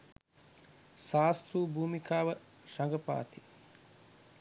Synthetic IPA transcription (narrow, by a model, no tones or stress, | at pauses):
ʃaːst̪ɾuːbʱuːmikaːʋɐ | ʃɐŋɡəpa̰ːt̪i